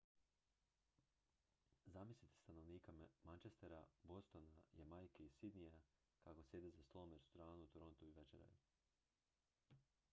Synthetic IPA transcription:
zamislit̪e̥st̪ano̞ʋniːkamant͡ʃest̪eɾa̰bost̪o̞najamaːjkeisid̪nije | kako̞sjed̪ezast̪o̞lˠomeɾest̪oɾaːnuut̪uɾo̞nt̪uiʋet͡ʃeɾa̰ju

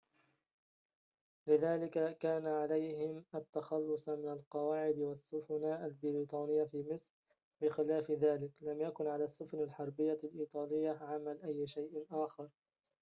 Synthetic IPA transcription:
lɪðaːlɪkakaːnaʕalajhɪmʔat̪ːaxalːʊsmɪnalqɑwaːʕɪd̪wasːʊfʊnaːʔalbɪɾiːt̪ˤɑːnɪjːafiːmɪsɾ | bɪxɪlaːfɪðaːlɪklamjakʊnʕalaːsːʊfʊnalħɑɾˤbɪjːalʔiːt̪ˤɑːlɪjːaʕamalʔajːɪʃajʔɪʔaːxɪɾˤ

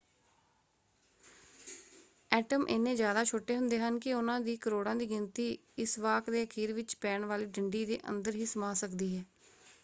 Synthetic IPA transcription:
ɛːʈəmʔḛnẽːd͡ʒjaːd̪aːt͡ʃʰoːʈːeːɦʊnd̪eːɦənkɪʊnãːd̪iːkəɾoːɽãːd̪iːɡɪnt̪iːɪsʋaːkd̪eːəkʰiːɾʋɪt͡ʃpɛːɳʋaːliːɖəɳɖiːd̪ḛːʔə̰nd̪əɾɦiːsəmaːsəkd̪iːɦɛː

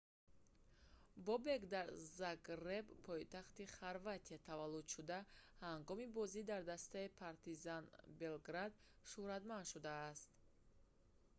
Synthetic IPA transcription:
bɔbekd̪aɾzaɡɾebpʰɔjt̪aχt̪iχaɾvat̪ʰiat̪ʰavalːud̪ʃud̪ahaŋɡɔmibɔzid̪aɾd̪ast̪aipʰaɾt̪ʰizanbe̞lɡɾad̪̚ | ʃuhɾat̪mand̪ʃud̪aːst̪

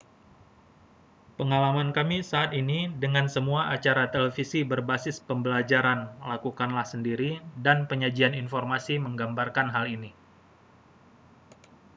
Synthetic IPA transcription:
pəŋalamankamisaːt̪inidəŋansəmuaʔat͡ʃaɾat̪ələfisibərbasɪspəmbəlad͡ʒaɾanlakukanlahsəndiɾidanpəɲad͡ʒianinfɔrmasiməŋɡambarkanɦalini

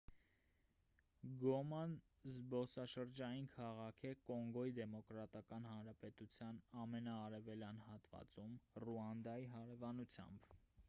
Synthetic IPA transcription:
ɡɔmɑn | zbɔsɑʃəɾd͡ʒɑjinkʰɑʁɑkʰɛkɔŋɡɔjid̪ɛmɔkɾɑt̪ɑkɑnhɑnɾɑpɛt̪ut͡sʰjɑnɑmɛnɑːɾɛvɛljɑnhɑt̪vɑ̰t͡sumruɑnd̪ɑjiɦɑɾɛvɑnut͡sʰjɑ̰mb

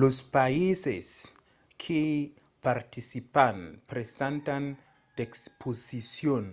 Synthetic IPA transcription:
lospaises | kʰe | paɾt̪isipanpɾesent̪an | d̪ekspʰosisjon

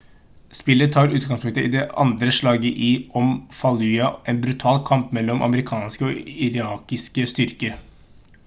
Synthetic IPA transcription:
spɪlːət̪ʰɑːɾʉːt̪ɡɑŋspʰʉŋt̪əʔɪd̪ɛʔɑ̰nd̪ɾəʂɭɑːɡəʔɪʔɔmfɑlʉːɑʔɛːnbɾʉt̪ʰɑːlkʰɑmpmɛlːɔmʔɑ̰məɾɪkʰɑːnskəɔɪɾɑːkɪskəst̪ʏɾkə

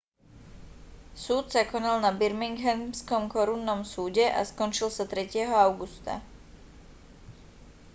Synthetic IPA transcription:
suːt̪sakɔnalnabiɾmiŋɡɦɛmskɔmkɔɾunːɔmsuːɟɛʔa̰skɔnt͡ʃilsat̪ɾɛcɪɛɦɔaʊɡust̪a̰

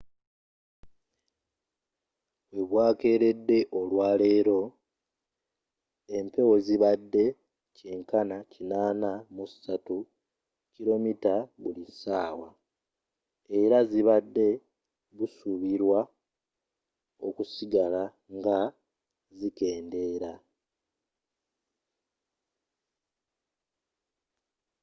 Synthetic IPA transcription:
βwe̞βwaːke̞ːɾe̞dːe̞ʔo̞lwaːle̞ːɾo̞ | empe̞we̞ziβadːe̞ | ceːŋkanacinaːnamusatu | cilo̞mitaβulisaːwa | e̞ɾaziβadːe̞ | βusuβiɾwa | o̞̰kusiɡala | ŋɡa | zike̞ːnde̞ɾa

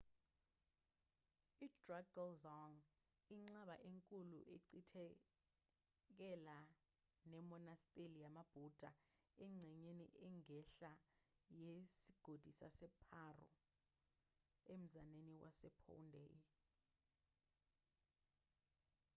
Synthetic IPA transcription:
id̥raɡɔlzɔŋ | iŋ͡ǀaɓaʔeŋkʼulṵʔeǀitʰɛ | k̬ɛla | nɛmɔnastʼelijamab̥ʱud̥ʱaɛŋ͡ǀʱɛɲenḭʔɛŋɛɬajesiɡ̥ʱod̥ʱisa̰sɛpʰarɔ̰ | em̩zaneniwa̰sɛpʰɔ̰ndʱḛi

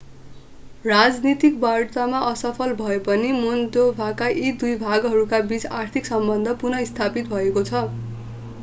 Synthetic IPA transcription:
rad͡znit̪ikbart̪amaʔʌsʌpʰʌlbʱʌepʌnimond̪obʱakaʔid̪ujbʱaɡɦʌɾukabit͡sart̪ʰiksʌmbʌnd̪ʱʌpunʌist̪ʰapit̪̚bʱʌekot͡sʰʌ

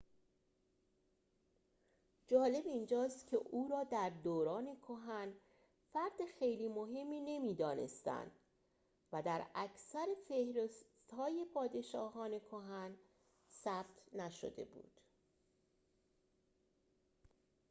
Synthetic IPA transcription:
d͡ʒɒːle̞bind͡ʒɒːst̪cʲʰe̞ʔuːɾɒːd̪æɾd̪oːɾɒːne̞kʰoɦæn | fæɾd̪exe̞jliːmoɦe̞mːiːne̞miːd̪ɒːne̞̰st̪æ̰nd̪̥ | væd̪æɾæcsæɾefehɾest̪t̪hɒːje̞pʰɒːd̪e̞ʃɒːhɒːne̞kʰoɦæn | sæb̥̚t̪ʰnæʃo̰d̪e̞̰bṵːd̪̥

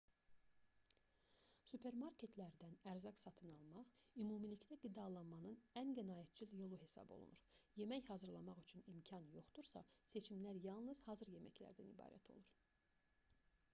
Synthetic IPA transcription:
supʰe̞ɾmɑɾkʰe̞t̪ʰlæɾd̪ænæɾzɑɡsɑt̪ʰɯnɑlˠmɑχymumilicd̪æɡid̪ɑlˠɑnmɑnɯnænɡænɑːjæt̪̚t͡ʃilˠijolˠuɦe̞sɑ̰bo̞̰lˠṵnuɾje̞mæçhɑːzɯɾlˠɑmɑʁyt͡ʃʰynimcʰɑnjo̞χd̪̥uɾsɑ̰se̞t͡ʃʰimlæɾjɑlˠnɯz̥hɑːzɯɾje̞mæ̰çlæ̰ɾd̪ænibɑ̰ːɾæ̰t̪ʰo̰lˠuɾ

